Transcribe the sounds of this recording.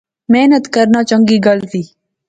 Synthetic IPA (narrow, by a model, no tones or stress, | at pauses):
meːnət̪kɐɾnaːt͡ʃəŋɡiːɡɐlt̪iː